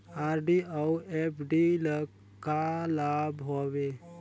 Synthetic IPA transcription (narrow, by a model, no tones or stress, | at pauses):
aːɾɖiawepʰɖilək | kalaːbɦoːʋe